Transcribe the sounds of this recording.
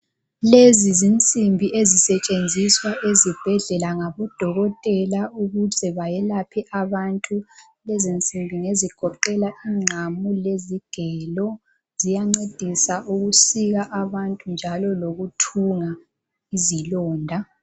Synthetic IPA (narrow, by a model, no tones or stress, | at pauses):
lezizint͡sʼimbʱiʔezisɛt͡ʃʼend͡zʱiswaʔezib̥ʱɛɮɛlaŋaβɔd̥ʱɔɣɔtʼɛlauɣuzɛβajɛlapʰiʔaβantʼu | lezint͡sʼimbʱiŋeziɡ̥ʱɔǃɛlaʔiŋ͡ǁʱamuleziɡ̥ʱɛlɔ | zijaŋ͡ǀed̥ʱisaʔuɣusiɣaʔaβantʼund͡ʒʱalɔloɣutʰuŋa | izilɔːndʱa